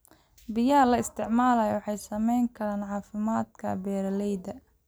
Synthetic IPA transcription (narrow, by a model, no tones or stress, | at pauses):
bɪjɐɐlɐɪst̪ʰɪʕmaːlɐjɔwɑħɑjsɐmɛjŋkʰɐɾaːnʕɑːfɪmaːd̪kʰɐ̰bɛːɾɐlɛjd̪ɐ